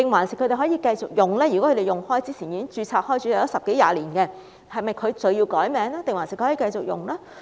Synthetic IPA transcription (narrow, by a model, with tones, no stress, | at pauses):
t̪ɪ˨ŋwaː˨˩nsɪ˨k̚ʰɵ˧˥ɾe˨˩ɦɔː˨˥jiː˧kɐ˧jt͡sʊ˨k̚jʊ˨˩ŋlɛː˥jy˨˩ɔ˦˥kʰd̪e˨˩jʊ˨˩ŋhɔː˥jt͡siː˥t͡sʰiː˨˩ji˧kɪ˥ŋt͡ʃyː˧t͡sʰaː˧˥k̚hɔː˥jt͡sʰyː˨˥ja˨˧˩jɔ˨˦˥sɐ˨p̚ke˨˥ja̰ː˧liː˨˩nkɛ˧ | hɐ˨jmɐ˨jkʰɵ˨˧ɥt͡sɵ˧ɥjiː˧wkɔː˨˥jmɛː˨˧˥ŋlaː˥t̪e˨ŋwaː˨˩nsɪ˨k̚ʰːhɔː˨˥iː˧kɐ˧jt͡sʊ˨k̚jʊ̰˨˩ŋlaː˥